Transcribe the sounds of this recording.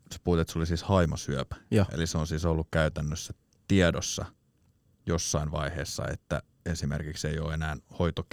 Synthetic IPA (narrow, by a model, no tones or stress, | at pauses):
se̥puhːt̪et̪solisiːshɑimosyøpːʔḛliseonsiːsolːukkæyt̪ænːøsːæ | t̪iɛdosːɑ̰ | josːɑinʋɑiheːsːɑ̰ḛt̪ːæ̰ | esimḛrkiksejoːenæːnhoit̪ok